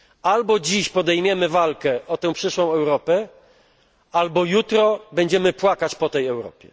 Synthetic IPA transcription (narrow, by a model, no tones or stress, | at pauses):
albɔd͡ʑiɕpɔd̪ɛjmʲjɛmɘvalkɛʔɔt̪ɛ̃w̃pʂɘʂwɔ̃w̃ɛwɾɔpɛ | albɔjut̪ɾɔbɛɲd͡ʑɛmɘpwakat͡ɕpɔt̪ɛjɛwɾɔ̰pʲjɛ̰